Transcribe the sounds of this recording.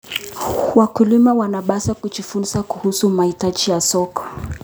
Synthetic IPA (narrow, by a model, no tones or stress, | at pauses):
wakulimawanaɓasakut͡ʃifunsakuhusumaitad͡ʒijasɔkɔ̥